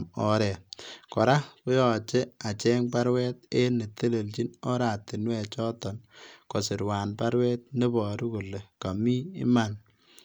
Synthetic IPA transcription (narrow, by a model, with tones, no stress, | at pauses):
mɔ˦ɾɛ˨kɔ˨ɾa˦po˦jɔ˨t͡ʃe˦a˨t͡ʃɛ˦ŋpa˦ɾwɛ˦t̚e˦ne˨te˦le˨lt͡ʃi˦nɔ˦ɾa˨tɪ˨nwɛ˨t͡ʃɔ˦tɔ˨nkɔ˨sɪ˨ɾwaː˨npa˦ɾwɛ˦t̪̚ne˦bɔ˨ɾu˦ku˨le˨ka˨mi˦ɪ̰˦ma˨n